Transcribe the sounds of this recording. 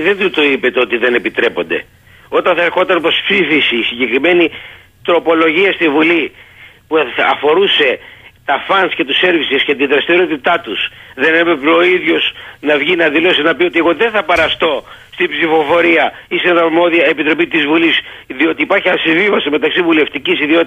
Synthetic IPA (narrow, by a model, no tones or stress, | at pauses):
ðent̪ut̪o̞ipe̞t̪eo̞t̪iðe̞ne̞pit̪ɾe̞po̞̰nd̪e̞̰ | o̞t̪ɐnθɐeɾxo̞t̪ɐnpɾospsifisiːsiɲɟe̞kɾime̞ni | t̪ɾo̞po̞lo̞ʝiɐst̪ivulipuɐfo̞ɾuse̞t̪ɐfɐnsce̞t̪use̞ɾvisescet̪iðɾɐst̪iɾo̞t̪it̪ɐt̪usðe̞nemepoiðʝo̞snɐvʝinɐðilo̞sinɐpio̞t̪ie̞ɣo̞ðenθɐpɐɾɐst̪o̞ | st̪ibsifo̞fo̞ɾiɐ | ist̪inenɐmo̞ðiɐepit̪ɾo̞pit̪izvulisðio̞t̪iːpɐɾçiɐnsiɱvivɐsime̞t̪ɐksivule̞ft̪icisiðio̞t̪i